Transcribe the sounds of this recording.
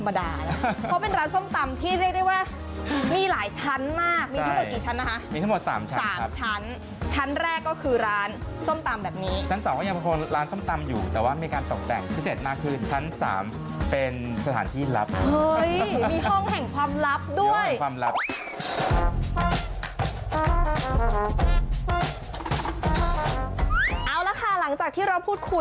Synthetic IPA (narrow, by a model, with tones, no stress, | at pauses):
ma˧daː˧lʰɔ˦˥pe˧nɾaː˦˥nso˥˩mt̪a˧mt̪ʰiː˥˩ɾi˥˩ək̚da˥˩waː˥˩ | miː˧laː˩˦jt͡ɕʰa˦˥nmaː˥˩k̚miː˧taa˥˩ŋo˨˩kiː˨˩t͡ɕʰa˦˥nːa˦˥kʰa˦˥miː˧t̪ʰa˥ŋo˨˩t̪̚sa̰ː˩˦mt͡ɕʰa˦saː˥˩˦mt͡ɕʰa˦˥n | t͡ɕʰa˦˥nɾɛː˥˩kːɔː˥˩kʰɯː˧ɾaː˦˥nso˥˩mt̪a˧mbɛː˨˩p̚niː˦˥t͡ɕʰa˦˥nsaː˨˦ŋkɔː˥˩ja˧ŋpʰa˧kʰo˧nɾaː˦˥nso˥˩mt̪a˧mjuː˨˩t̪ɛː˨˩waː˥˩miː˧kaː˧nt̪ɔ˨˩k̚t̪ɛ̰˨˩ŋpʰɯː˧˩se˨˩t̪̚maː˥˩kʰːɯː˥˩nt͡ɕʰa˦˥nsa̰ː˩˦m | pe˧nsa˧t̪ʰaː˩˦nt̪ʰiː˥˩la˦˥p̚ɤ˧jmiː˧ɦɔ˥˩ŋɦɛ˨˩ŋkʰwaː˧mla˦˥p̚du˥˩əjkʰwaː˧mɾa˦˥p̚ | ʔaː˧wla˦˥kʰa˥˩la˩˦ŋt͡ɕaː˨˩k̚t̪ʰiː˥˩ɾa˧wpʰuː˥˩t̪̚kʰu˧j